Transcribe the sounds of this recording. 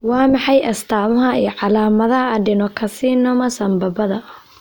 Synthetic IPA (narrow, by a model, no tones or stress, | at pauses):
wɑːmɑħɑjʔɐst̪ʰaːmɐɦɐijɔʕɑlaːmɐðɐɦɐːɖɪnɔkʰɐsiːnɔːmɐsɐmbɐbɐðɐʔ